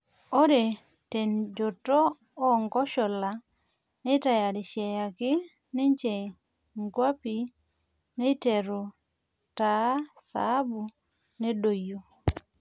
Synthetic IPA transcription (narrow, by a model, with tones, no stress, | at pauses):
o˦ɾe˨ | te˨nd͡ʒo˨toː˦ | ŋɡɔ˦ʃɔ˨la˨ | nɛ˦ta˨ja˨dɪ˨ʃjɛ˨ja˨kɪ˦ | nɛ˦ɲt͡ʃe˨ | ŋɡwa˦pi˨ | nɛ˦te˨ɾɔ˨ | ta˨˦sa̰ː˨˦bu˨ | ne˦do˨jo˨